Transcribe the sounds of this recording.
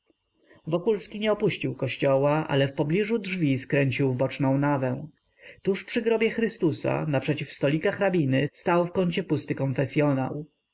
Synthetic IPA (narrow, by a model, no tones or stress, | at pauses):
vɔkulskʲiɲɛɔpuɕt͡ɕiwkɔɕt͡ɕɔwaʔa̰lɛfpɔblʲiʐudʐvʲiskɾɛɲt͡ɕiwvbɔt͡ʂnɔ̃w̃navɛw̃ | t̪uʂpʂɘɡɾɔbʲjɛxɾɘst̪usa̰napʂɛt͡ɕifst̪ɔlʲikaxɾabʲinɘst̪awfkɔɲʲt͡ɕɛpust̪ɘkɔnfɛsʲjɔna̰w